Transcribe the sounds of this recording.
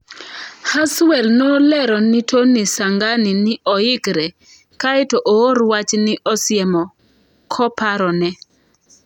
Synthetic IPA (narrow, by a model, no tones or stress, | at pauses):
haswɛlnolɛɾɔnɪtʰonisaŋɡanɪnɪʔɔɪkɾɛ | kaɪtoʔooɾwat͡ʃnɪʔɔsɪjɛmɔ | kʰɔpaɾɔnɛ